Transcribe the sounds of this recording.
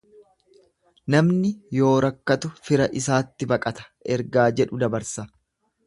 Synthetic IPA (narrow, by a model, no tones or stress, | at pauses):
nɐmnɪjo̞ːɾɐkːɐt̪ʊfɪɾɐʔɪs̬aːt̪ːɪbɐkʼɐt̪ɐ̥ʔɛɾɡaːd͡ʒɛᶑʊd̪ɐbɐɾsɐ